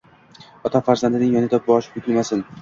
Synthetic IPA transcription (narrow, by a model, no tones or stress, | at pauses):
ɒt̪ʰafaɾzand̪ɪnɪŋjɒnɪd̪ap̚bɒʃɪ̥pʊk̪ʲɪlmasɪn